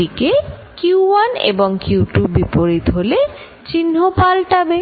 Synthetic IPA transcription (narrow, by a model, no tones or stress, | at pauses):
ikekjuuwanḛboŋkuʈubipoɾit̪ɦole | t͡ɕinɦopalʈabe